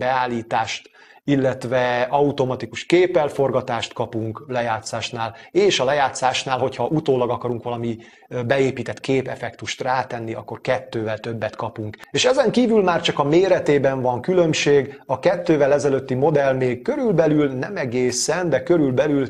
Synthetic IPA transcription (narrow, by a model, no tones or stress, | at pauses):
bɛaːlːiːt̪aːʃt̪ | ilːɛt̪vɛɒut̪o̞mɒt̪ikuʃkeːpɛlfo̞rɡɒt̪aːʃt̪kɒpuŋklɛjaːt̪saːʃnaːleːʃɒlɛjaːt̪saːʃnaːlɦo̞chɒʔut̪oːlɒɡɒkɒɾuŋkʋɒlɒmi | bɛeːpiːt̪ɛt̪keːpɛfɛkt̪uʃt̪raːt̪ɛnːiɒ̰kːo̞rkɛt̪ːøːvɛlt̪ø̞bːɛt̪kɒpuŋkeːʃɛzɛŋkiːvylmaːrt͡ʃɒkɒmeːɾɛt̪eːbɛɱvɒŋkylø̞mʃeːɡɒkɛt̪ːøːvɛlɛzɛløt̪ːimo̞d̪ɛlmeːɡ̚køɾylbɛlylnɛmɛɡeːsɛnd̪ɛkøɾylbɛlyl